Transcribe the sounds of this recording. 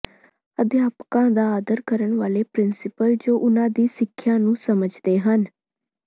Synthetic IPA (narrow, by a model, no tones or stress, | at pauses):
əd̪ɪjaːpkãːd̪aːd̪əɾkəɾəɳʋaːleːpɾɪnsɪpəld͡ʒoːʔʊnãːd̪iːsɪkʰːjãːnũːsəməd͡ʒd̪eːɦən